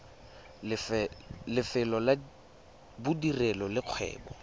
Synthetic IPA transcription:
ɪflɪfɛlɔla | bʊdirɛlɔlɪq͡χʰwɛ̰ːbɔ

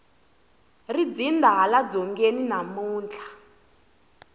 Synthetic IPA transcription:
rid͡zindaɦalad͡zɔŋɡeninamuːnt͡ɬʰḁ

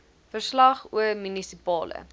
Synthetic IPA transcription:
fərslɐχuəmynisipɑːlə̰

